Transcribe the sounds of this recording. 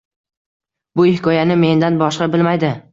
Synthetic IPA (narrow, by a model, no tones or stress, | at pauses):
bʊɪhɪkʰɒjanɪme̞nd̪anbɒʃqɑbɪlmajd̪ɪ